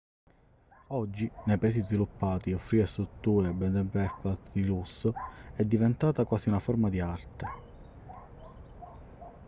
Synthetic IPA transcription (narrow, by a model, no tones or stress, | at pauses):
ɔd͡ʒːinejpaɛːsizvilupːaːt̪iofːɾiːɾest̪ɾut̪ːuːɾebɛd̪ɛbɛkat̪d̪ilusːoɛd̪ːivent̪aːt̪akwaːsiunafɔɾmad̪iart̪e